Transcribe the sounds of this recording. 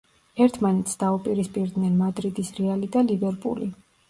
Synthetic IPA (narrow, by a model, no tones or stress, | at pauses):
ɛɾt̪ʰmanɛt̪sd̪aupʼiɾispʼiɾd̪nɛnmad̪ɾid̪isɾɛalit̪ʼalibɛɾpʼṵli